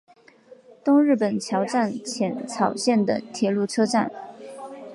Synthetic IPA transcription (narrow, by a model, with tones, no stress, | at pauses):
t̪ʊ˥ŋɻɻ̩˥˩pə˨˩nt͡ɕʰjɑ˧˥ʊʈ͡ʂa˥˩nt͡ɕʰjɛ˧˥nt͡sʰɑ˨˩ʊɕjɛ˥˩nd̪ə̰˩t̪ʰjɛ˧˥lu˥˩ʈ͡ʂʰɤ˥ʈ͡ʂa˥˩n